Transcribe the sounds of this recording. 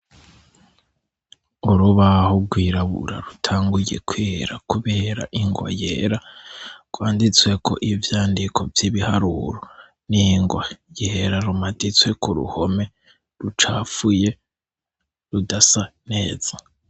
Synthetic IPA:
uɾuβahoɡwiːɾaβṵɾa̰ɾutʰaːŋɡujḛkwiɾakuβe̞ːɾa̰ʔiŋɡwa̰jḛːɾaɡ̥waːndit͡swe̞kʰo̞̰ʔivjaːndikʰo̞vjiβihaɾuɾo | niŋɡwajeːɾaɾumadit͡swe̞kuɾṵho̞me̞ | ɾut͡ʃaːfuje̞ | ɾudasane̞ːz̥a

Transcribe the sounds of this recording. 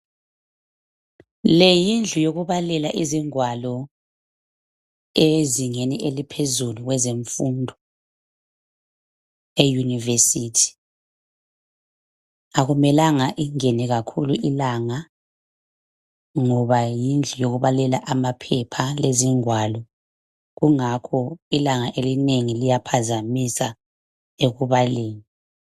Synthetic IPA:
lejind͡ɮʱujoɣuβalɛlaʔiziŋwalɔ | eziŋeniʔelipʰezuluɣwɛzeɱfundʱɔ | ejunivesitʰi̥ | aɣumɛlaŋaʔiŋenɛɣakʰuluʔilaŋa | ŋɔβajind͡ɮʱɛjoɣuβalɛlaʔamapʰɛpʰaleziŋwalɔ | ɣuŋakʰɔilaŋaʔelineŋilijapʰazamisa | eɣuβaleːŋi

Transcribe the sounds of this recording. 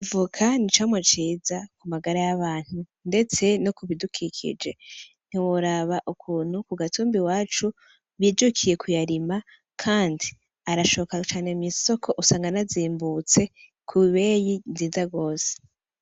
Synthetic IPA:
vukʰanit͡ʃamwat͡ʃiːzakumaɡaɾajaβaːn̥hu | nde̞t͡se̞nokuβidukʰikʰḭd͡ʒe̞ | n̥iwoɾaβaʔukʰuːn̥hukuɡatuːmbiwaːt͡ʃu | βid͡ʒukʰije̞kʰujaɾima | kʰaːndi | aɾaʃokat͡ʃaːne̞miso̞kʰo̞ʔusaːŋɡanaziːmbut͡se̞ | kʰuiβejiziːzaɡo̞ːse̥

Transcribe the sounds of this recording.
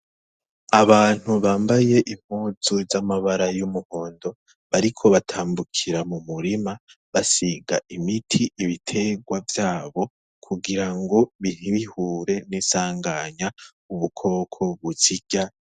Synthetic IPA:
aβaːn̥huβaːmbaje̞ʔim̥huːzuzamaβaɾajumuho̞ːndo̞ | βaɾikʰo̞βatʰaːmbukʰiɾamumuɾima | βasiɡa̰ʔimitʰiʔiβitʰe̞ɡwavjaːβo̞ | kʰuɡiɾaŋɡo̞βihiβihuːɾe̞nisaːŋɡaɲa | uβukʰo̞kʰo̞βut͡ʃiɟ̥a

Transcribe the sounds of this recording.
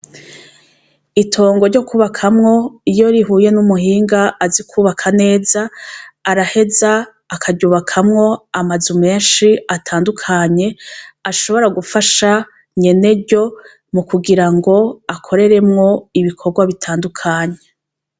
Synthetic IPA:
itʰo̞ːŋɡoɾɟo̞kuβakʰamŋo̞ijo̞ɾiɦuːje̞numuɦiːŋɡaːzikʰuːβakʰane̞ːzaːɾahe̞zaː | kʰaɟuːβakʰamŋo̞amazume̞ːnʃiatʰaːndukʰaɲe̞aʃo̞βo̞ɾaɡufaʃa | ɲe̞ne̞ɾɟo̞ | mukuɡiɾaŋɡo̞akʰo̞ɾe̞ɾe̞mŋo̞iβikʰo̞ɡwaβitʰaːndukʰaːɲe

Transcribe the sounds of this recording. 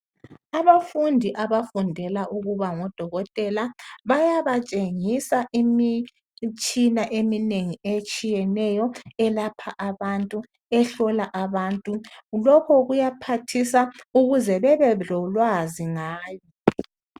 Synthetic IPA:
aβafundʱiʔaβafundʱɛlaʔuɣuβaŋɔd̥ʱɔɣɔtʼɛlaβajaβat͡ʃʼeŋisaʔimi | t͡ʃʼinaʔemineŋiet͡ʃʼijɛnɛjɔɛlapʰaʔaβantʼu | ɛɬɔlaʔaβaːntʼulɔkʰɔɣujapʰatʰisauɣuzɛβɛβɛlɔlwaziŋaːjɔ

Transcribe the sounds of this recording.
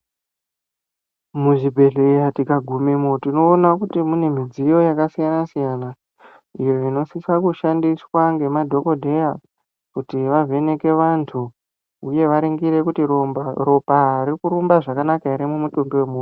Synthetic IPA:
muʐibʱe̞ɮejatikaɡʱumemotino̞ːnakutimune̞mid͡zijo̞jakasijanasijana | ijo̞ino̞sisakuʃandiswaŋɡe̞madʱo̞ko̞dʱe̞ja | kutiʋavʱe̞ne̞ke̞ʋantʰu | uje̞ʋaɾeŋɡiɾe̞kutiropaɦɾikuɾumbaʐakanakaiɾimumutoŋdowemur

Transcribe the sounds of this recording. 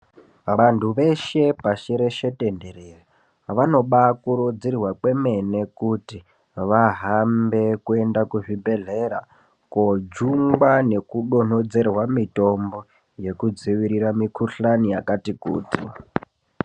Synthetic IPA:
ʋantʰuʋe̞ʃe̞paʃeɾe̞ʃe̞te̞nde̞ɾeːra | ʋano̞ɓakuɾod͡zirwakwe̞me̞ne̞kuti | ʋaɦambe̞kue̞ndakuʐibʱe̞ɮeɾa | kod͡ʒuŋɡwane̞kuɗo̞n̤od͡ze̞rwamito̞mbo̞ | je̞kud͡ziʋiɾiɾamikʰuɬanijakatikṵːtḭ

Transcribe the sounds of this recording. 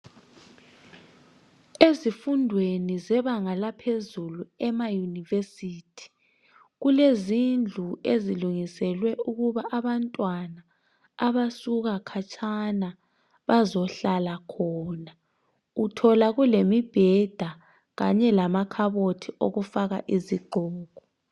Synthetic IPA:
ezifundʱwenizɛβaŋalapʰezuluɛmajunivesiːtʰi̥ | ɣulezind͡ɮʱueziluŋisɛlwɛuɣuβaʔaβantʼwanaː | βasuɣakʰat͡ʃʼʰana | βazɔɬalakʰɔːna | utʰɔlaɣulemib̥ʱɛd̥ʱa | ɣaɲɛlamakʰaβotʰiʔo̰ɣufaɣaʔiziɡ͡ǃʱɔːɣɔ

